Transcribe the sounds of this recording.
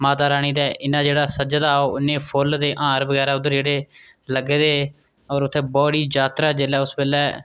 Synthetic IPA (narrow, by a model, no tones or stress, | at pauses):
maːt̪aːɾaːɽ̃iːd̪ɛːʔɪnãːd͡ʒeːɽaːsəd͡ʒd̪aːoːɪnẽːpʰʊld̪eːʔãːɾbəɡɛːɾaːʊd̪əɾd͡ʒeːɽeː | ləɡeːd̪eː | ɔːɾʊt̪ʰːeːbɔːɽiːd͡ʒaːt̪ɾaːd͡ʒelɛːʊsbeːlɛː